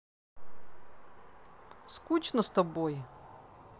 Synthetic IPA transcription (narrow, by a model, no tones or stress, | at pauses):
skut͡ɕnəst̪ɐboj